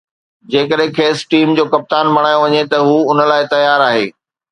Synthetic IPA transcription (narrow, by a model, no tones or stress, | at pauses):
d͡ʑeːkəɗɦɪ̃kʰeːsʈiːmd͡ʑoːkɐp̚t̪aːnbʱɐɽ̃aːjoʋɐɲet̪ɐɦuʊnə̆laːɪt̪ɐjaːɾaːɦeː